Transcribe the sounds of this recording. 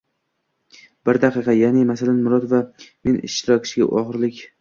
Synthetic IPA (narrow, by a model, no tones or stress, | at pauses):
bɪɾd̪aqɨqʰɑjanɪmasalanmʊɾɒd̪vame̞nʔɪ̰ʃt̪ɪɾɒkʲɪ̥t͡ʃɪɡʲa̰ʔɒʁɨɾlɪkʲ